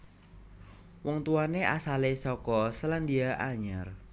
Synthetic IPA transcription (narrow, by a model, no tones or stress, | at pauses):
wɔŋt̪uaneʔasalesɔkɔsəland̪iaʔaɲar